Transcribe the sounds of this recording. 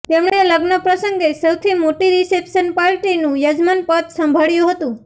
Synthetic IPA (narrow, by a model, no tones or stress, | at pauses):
t̪emɳeləɡnəpɾəsəŋɡesəwt̪ʰimoʈiɾisepʃənpaɾʈinũjəd͡ʒmanpət̪səmbʱaɭjũɦət̪ũ